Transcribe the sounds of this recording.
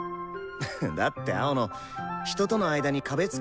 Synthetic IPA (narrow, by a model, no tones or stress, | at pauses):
d̪at̪ːe̞a̰ono | çi̥t̪o̞t̪o̞no̞aid̪aɲ̟ikabe̞t͡sɨ̥